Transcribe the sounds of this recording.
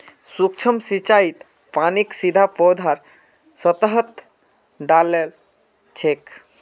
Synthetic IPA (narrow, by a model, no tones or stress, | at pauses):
suk̚t͡ʃʰəmsit͡ʃait̪ | paniksid̪ʱapɔd̪ʱaɾ | sət̪əɦət̪ | ɖalel | t͡ʃʰek